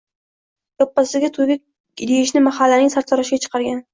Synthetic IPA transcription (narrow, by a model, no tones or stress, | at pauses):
j̪ɒpːasɪɡʲat̪ʰoɡʲɪ | d̪ejɪʃnɪmahalːanɪŋsaɾt̪ʰɒɾɒʃɪɡʲat͡ʃʰɨ̥qʰɑɾɡʲan